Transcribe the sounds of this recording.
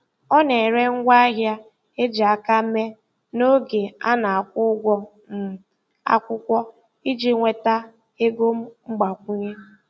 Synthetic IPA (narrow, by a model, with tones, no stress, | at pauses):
ɔ˦ne˨ɾe˦ŋ̩˦ɡʷa˦a˦ɦja˦ | e˦d͡ʒi˨a˨ka˦me˦ | no˦ɡe˨a˦na˨a˨kʷʊ˦ɡʷɔ˦ | m̩˨ | a̰˦kʷʊ˦kʷɔ˦ | i˦d͡ʒi˦ŋʷe˨ta˦ | e˦ɡo˦m̩˦ŋ͡m̩˦ɡ͡ba˨kʷu˦ɲe˦